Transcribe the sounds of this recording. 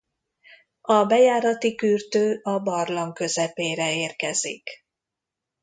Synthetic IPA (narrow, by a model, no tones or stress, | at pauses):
ɒbɛjaːɾɒt̪ikyrt̪øːɒbɒrlɒŋkø̞zɛpeːɾɛeːrkɛzḭk